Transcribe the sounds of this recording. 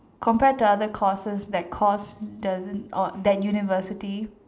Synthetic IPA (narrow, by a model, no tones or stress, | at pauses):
kʰɔ̃mpɛtuadəkʰɔsəsdɛt̚kʰɔsdazə̃nɔdɛt̚junivəsɪti